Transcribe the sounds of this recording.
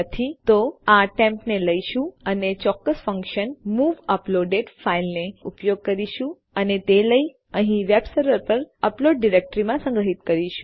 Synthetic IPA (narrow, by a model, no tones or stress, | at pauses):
ət̪ʰit̪oaʈɛ̃mpneləiʃũənet͡ʃɔkːəsfəŋkʃənmuʋəploɖeɖfailneupjoɡ̚kəɾiʃũ | ənet̪eləi | əɦĩʋebsəɾʋəɾpəɾəploɖːiɾek̚ʈɾimãsə̃ŋɡɾəɦit̪kəɾiʃũ̥